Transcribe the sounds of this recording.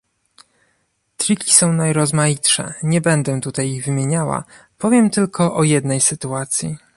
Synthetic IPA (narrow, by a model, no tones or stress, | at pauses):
t̪ɾʲikʲi̥sɔ̃w̃najɾɔzmajitʂɛ̰ɲɛbɛnd̪ɛt̪ut̪ajiɣvɘmʲjeɲawa̰ | pɔvʲjɛmt̪ɘlkʰɔʔɔjɛd̪nɛjsɘt̪uat̪sʲji